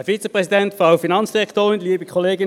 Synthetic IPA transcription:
fit͡səpʁɛsidɛntfʁaʊfinɑnsd̥iʁɛktoːʁɪnliːbəkʰɔleːɡɪ

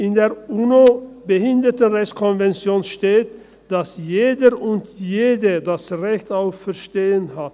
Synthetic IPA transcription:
ʔɪndeːɐʔuːnobəhɪndətənʁɛçt͡sskʰɔnvɛnt͡sjoːnʃteːt | d̥asjeːdəʁʊntjeːdədasʁɛçtaʊffɛɐʃteːənɦat

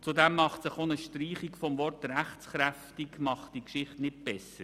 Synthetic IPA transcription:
t͡sudɛmːɑχtsɪχonəʃtɾiːχikfɔmvɔrtɾæχt͡sχɾæftikmɑχtd̥ikʃɪχtnɪt̚b̥ɛsəɾ

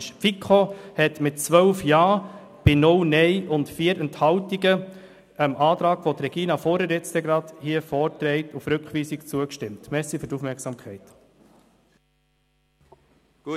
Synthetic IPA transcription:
ʃpfikχohɛtmɪt̚t͡sʋœlfjɑː | b̥ɪnʊlnɛɪʔʊntfiːəɾənthɑltiɡə | əmʔɑːt̪ɾɑːɡ̥ʋot̪ɾɛɡ̥iːnɑfɔɾəɾɛt͡st̪ɛɡɾɑdhiəfɔːɾtɾɛɪtufɾɵkχʋiːsikt͡suəkʃtɪmtmɛsifyɾtufmɛksɑːmkʰɛɪt

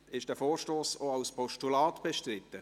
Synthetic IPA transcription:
ɪʃd̥ɛːfoːrʃtoːsoawspʰɔʃtulɑːtb̥eʃtrɪtːə

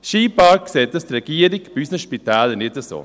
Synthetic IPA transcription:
ʃiːpɑkkseːt̚dɑstrɛɡ̥iːəɾikbysnəʃpitɛːlənɪtəso̰ː

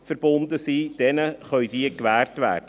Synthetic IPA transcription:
fəɾb̥ʊnd̪əsiːd̥ɛnəχœʏdiəkʋæːrtvæ̰ːrd̥ə

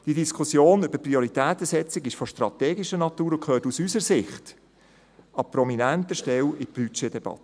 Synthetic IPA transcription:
d̥idiskʰʊsjoːnʏb̥əɾprioɾitɛːt̪əsɛt͡sɪɡɪʃfɔʃtrɑt̪ɛːɡiʃənɑt̪uːɾokʰøːtusysəɾsɪχt | ɑpɾɔminæntəʃtɛlɪb̥yt͡ʃedɛb̥ɑ̰t̪ːə

